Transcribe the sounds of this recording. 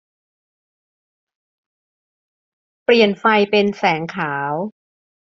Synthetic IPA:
pli˨˩ənfa˧jpe˧nsɛː˩˦ŋkʰaː˩˦w

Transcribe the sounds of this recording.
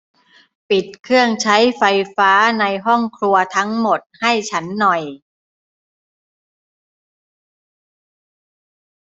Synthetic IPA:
pi˨˩t̪̚kʰɯ˥˩əŋt͡ɕʰa˦˥jfa˧jfaː˦˥na˧jɦɔ˥˩ŋkʰlu˧ɐt̪ʰa˦˥ŋmo˨˩t̪̚ha˥˩jt͡ɕʰa˦˥nːɔ˨˩j

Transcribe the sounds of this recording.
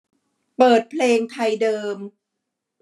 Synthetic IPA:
pɤː˨˩t̪̚pʰleː˧ŋt̪ʰa˧jdɤː˧m

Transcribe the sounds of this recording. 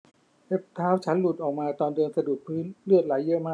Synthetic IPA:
he˦˥p̚t̪ʰaː˦˥wt͡ɕʰa˦˥nlu˨˩t̪̚ʔɔː˨˩k̚maː˧t̪ɔː˧ndɯː˧nsa˧du˨˩t̪̚pʰɯː˦˥nlɯ˥˩ət̪̚laː˩˦jːɤ˦˥ʔmaː˥˩

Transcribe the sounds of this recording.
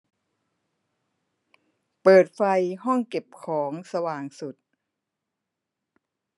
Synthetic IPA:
pɤː˨˩t̪̚fa˧jɦɔ˥˩ŋke˨˩p̚kʰɔː˩˦ŋsa˧waː˨˩ŋsu˨˩t̪̚

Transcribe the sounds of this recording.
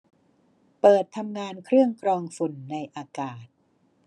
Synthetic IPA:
pɤː˨˩t̪ʰːa˧mŋaː˧nkʰɾɯ˥˩əŋkʰɾɔː˧ŋfu˨˩nːa˧jʔaː˧kaː˨˩t̪̚

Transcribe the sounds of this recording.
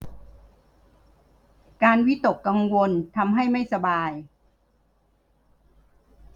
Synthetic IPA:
kaː˧nwi˦˥t̪o˨˩kːa˧ŋwo˧nt̪ʰa˧mɦa˥˩jma˥˩jsa˧baː˧j

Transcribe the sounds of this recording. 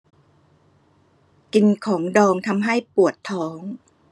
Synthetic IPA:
ki˧nkʰɔː˩˦ŋdɔː˧ŋt̪ʰa˧mɦa˥˩jpu˨˩ət̪ʰːɔː˦˥ŋ

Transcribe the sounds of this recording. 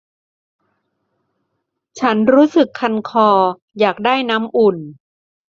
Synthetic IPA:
t͡ɕʰa˦˥nɾuː˦˥sɯ˨˩kʰːa˧nkʰɔː˧ | jaː˨˩k̚daː˥˩jna˦˥mʔu˨˩n

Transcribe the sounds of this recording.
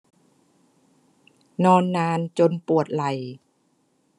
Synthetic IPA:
nɔː˧nːaː˧nt͡ɕo˧npu˨˩ət̪̚la˨˩j

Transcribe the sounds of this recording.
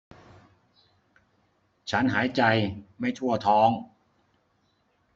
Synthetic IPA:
t͡ɕʰa˦˥nɦaː˩˦jt͡ɕa˧jma˥˩jt͡ɕʰu˥˩ət̪ʰɔː˦˥ŋ

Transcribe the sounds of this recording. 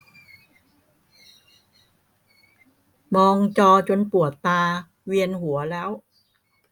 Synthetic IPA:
mɔː˧ŋt͡ɕɔː˧t͡ɕo˧npu˨˩ət̪ːaː˧ | wi˧ənhu˩˦ɐlɛː˦˥w

